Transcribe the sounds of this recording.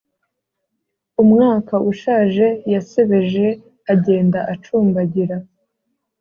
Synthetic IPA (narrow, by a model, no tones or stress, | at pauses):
umŋaːkaʔuʃaːʒe̞jase̞βe̞ʒe̞ | aɟe̞ːndaʔat͡ʃuːmbaɟiɾa